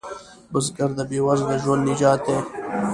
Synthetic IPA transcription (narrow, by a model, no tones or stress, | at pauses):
bəs̬ɡɐɾd̪abeːwɐzd̪aʒwɐnd̪nid͡ʒaːt̪eː